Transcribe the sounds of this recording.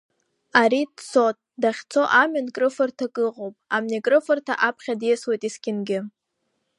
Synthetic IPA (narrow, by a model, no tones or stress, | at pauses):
aɾidsotʼdaχʲt͡sʰo̞ʔamɨnkʼrɨfɨrtʰakʼɨʁowpʼamnekʼrɨfɨrtʰa̰ʔapʰχʲadjeswejtʼiskʲʼɪnɡʲɪ